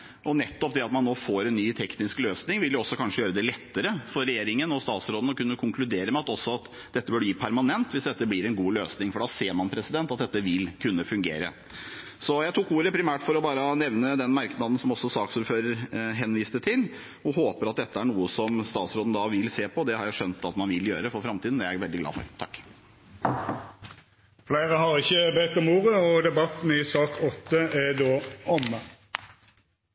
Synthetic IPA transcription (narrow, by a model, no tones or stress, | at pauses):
ʔɔnɛt̪ːɔpd̪ɛɑt̪mɑnːoːfoːɾɛnːyːt̪ʰɛknɪskløːsnɪŋʋɪljʊɔsːɔkʰɑnʂəjøːɾəd̪ɛlɛt̪ːəɾəfɔɾːɛjeːɾɪŋənɔst̪ɑːt̪sɾoːd̪n̩ɔkʉnːəkʰʊŋklʉd̪eːɾəmɛɑt̪ɔsːɔɑt̪ | d̪ɛt̪ːəbœɖəjiːpʰæɾmɑnɛnt̪ʋɪsd̪ɛt̪ːəblɪɾɛnɡuːløːsnɪŋfɔɖɑseːɾmɑnpʰɾɛsɪd̪ɛnt̪ɑt̪̚d̪ɛt̪ːəʋɪlkʰʉnːəfʉŋɡḛːɾə̰ | sɔjæɪt̪ʰukuːɾəpʰɾɪmæːʈfɔɾɔbɑːɾənɛʋnəd̪ɛnmɑɾknɑd̪n̩sɔmɔsːɔsɑːksuːɾføːɾəɾɦɛnʋiːst̪ət̪ʰɪl | ɔhoːpəɾɑt̪̚d̪ɛt̪ːəæɳuːəsɔmst̪ɑːt̪sɾoːd̪n̩d̪ɑʋɪlseːpʰɔd̪ɛhɑɾjæɪʂœnt̪ɑt̪mɑnʋɪljø̰ːɾəfɔɾfɾɑmt̪iːd̪n̩æɾjæɪʋɛld̪ɪɡlɑ̰ːfɔ̰ɾt̪ʰɑkː | flæɪʁəhɑʁɪçəbet̪ːɔmuːʁəɔd̪ɛbɑt̪n̩ɪsɑːkʰɔt̪ːəæd̪oːɔmə